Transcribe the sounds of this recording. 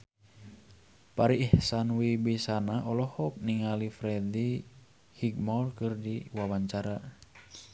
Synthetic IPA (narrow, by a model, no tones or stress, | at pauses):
paɾiʔːhsanwibisanaʔɔlɔhɔk̚niŋalifɾɛdi | hiɡmɔlkɨrdiwawaɲt͡ʃaɾa